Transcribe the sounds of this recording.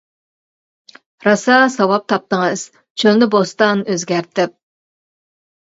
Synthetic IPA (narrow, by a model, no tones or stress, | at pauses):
ɾɑsɑsɑwɑp̚t̪ʰɑp̚t̪əŋɨz̥ | t͡ʃʰønnɪbost̪ɑnøzɡʲæɾt̪ʰɪp̚